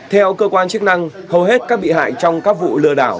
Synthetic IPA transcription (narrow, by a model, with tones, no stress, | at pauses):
t̪ʰɛ˧wkəː˧kwaː˧nt͡ɕɨ˦˥ək̚na˧ŋ | hə˨˩wɦe˦˥t̚kaː˦˥k̚ɓḭ˧˨ɦa̰ː˧˨jt͡ɕɔ˧wŋ͡mkaː˦˥k̚vṵ˧˨lɨ˧əɗa̰ː˧˩w